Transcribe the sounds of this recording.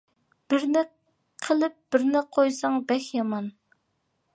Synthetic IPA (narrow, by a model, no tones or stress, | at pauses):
b̥ɪɾnɪ | qʰəlˠɪp̚b̥ɪɾnɪqʰojsɑŋbɛxʲjɑmɑn